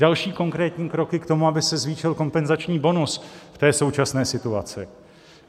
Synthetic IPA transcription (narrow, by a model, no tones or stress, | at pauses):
dalʃiːko̞ŋkɾɛːt̪ɲiːkɾo̞kɪkt̪o̞muabɪsɛzviːʃɪlko̞mpɛnzat͡ʃɲiːbo̞nusft̪ɛːso̞wt͡ʃasnɛːsɪt̪uat͡sɪ